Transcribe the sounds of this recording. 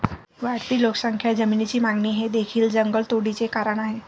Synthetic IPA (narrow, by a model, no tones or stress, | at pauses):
ʋaɽt̪iːloksəŋkʰjad͡zəmiːnit͡ɕiːmaŋɡniːɦed̪ekʰiːld͡zəŋɡəɭt̪oɽit͡sekaɾəɳaɦe